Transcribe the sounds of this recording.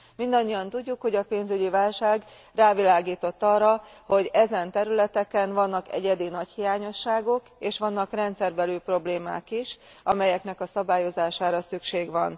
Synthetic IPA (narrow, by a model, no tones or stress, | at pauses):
mind̪ɒɲːijɒnt̪uɟːukho̞ɟɒpeːnzyɟivaːlʃaːɡ | raːvilaːɡiːt̪o̞t̪ːɒrːɒho̞ɟɛzɛnt̪ɛɾylɛt̪ɛkɛnvɒnːɒkɛ̰ɟɛd̪inɒchijaːɲo̞ʃːaːɡo̞keːʃʋɒnːɒkrɛnt̪sɛrbɛlyːpro̞bleːma̰ːkiʃ | ɒmɛjɛknɛkɒsɒbaːjo̞zaːʃaːɾɒsykʃeːɡʋɒn